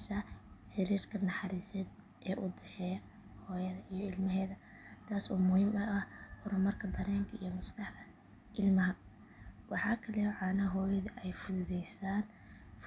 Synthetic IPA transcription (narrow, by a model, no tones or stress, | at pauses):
sɐħɪɾiːrkʰɐnɑħɑɾiːsɛːd̪̚ | ʔɛːʔʊd̪ɛħɛːj | hɔːjɐðɐijɔɪlmɐɦɛːðɐ | t̪ʰaːsuːmʊhiːmʊʔɐhhʊɾʊmɐrkʰɐd̪ɐɾɛːmkʰɐḭjɔmɐskʰɑħd̪ɐ | ʔɪlmɐɦɐ | wɑħɑːkʰɐlɛʕɑːnɐɦɔːjɐðɐʔɛjfʊðʊðɛjsaːn | f